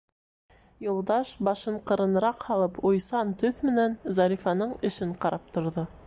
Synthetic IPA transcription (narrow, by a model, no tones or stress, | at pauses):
jŏlˠd̪ɑʃbɑʃɤɴqɤ̆ɾɤ̆n̆ɾɑqhɑlˠɤpujsɑnt̪ɵθmɘ̆nænzɑɾʲifɑnɤɴɘ̆ʃɘɴqɑɾɑp̚t̪ŏɾðo